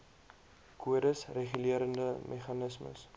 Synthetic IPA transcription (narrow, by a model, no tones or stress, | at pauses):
kʰuəɾəsreχyliəɾəndəmʔɛχɐnəsmə̰s